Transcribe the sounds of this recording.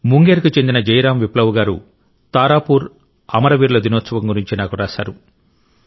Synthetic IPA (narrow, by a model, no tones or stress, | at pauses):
muŋɡeːɾkut͡ʃe̞nd̪inɐd͡ʒɐjɾaːmʋiplɐwuɡaːɾṵ | t̪aːɾaːpuːɾ | ɐmɐɾɐʋiːɾlod̪inoːt̪sɐʋɐŋɡuɾiɲt͡ʃinaːkuɾaːsaːɾu